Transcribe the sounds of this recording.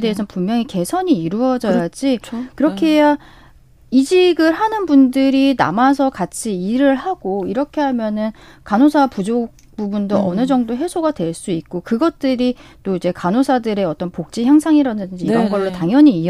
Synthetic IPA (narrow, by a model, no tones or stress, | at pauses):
de̞esʰʌnpummjʌŋike̞sʰʌɲiːɾuʌd͡ʑʌjjad͡ʑikɯɾʌkʰeɦeja | id͡ʑiɡɯɭɦanɯnbundɯɾina̰mas̬ʰʌkat͡ɕʰiːɾɯɭhaɡ̥oiɾʌkʰe̞ɦamjʌnɯnkanosʰapud͡ʑok̚ | pubundoʔʌnɯd͡ʑʌŋdoɦe̞sʰoɡadwe̞ɭs͈uit̚k͈okɯɡʌt̚t͈ɯɾit͈oid͡ʑe̞kanosʰadɯɾe̞ʌt͈ʌnpok̚t͡ɕ͈içjaŋsʰaŋiɾadɯdɯnd͡ʑiiɾʌnɡʌɭːotaŋjʌɲiː